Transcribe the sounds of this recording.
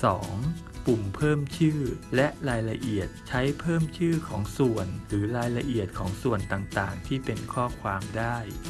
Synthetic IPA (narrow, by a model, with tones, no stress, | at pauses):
sɔː˩˦ŋ | pu˨˩mpʰɤː˥˩mt͡ɕʰɯː˥˩lɛ˦˥ʔɾaː˧jla˧ʔi˨˩ət̪̚t͡ɕʰa˦˥jpʰɤː˥˩mt͡ɕʰɯː˥˩kʰɔː˩˦ŋsu˨˩ənɾɯː˩˦ɾaː˧jla˧ʔi˨˩ət̪̚kʰɔː˩˦ŋsu˨˩ənt̪aː˨˩ŋt̪aː˨˩ŋt̪ʰiː˥˩pe˧nkʰɔː˥˩kʰwaː˧mdaː˥˩j